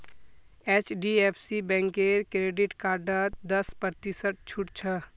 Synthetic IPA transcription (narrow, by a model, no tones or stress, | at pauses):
eːt͡ʃɖieːpʰsibɛ̃ːŋkeːɾkɾeːɖɪʈkaːɾɖət̪d̪əspəɾt̪isəʈ̚t͡ʃʰʊʈt͡ʃʰə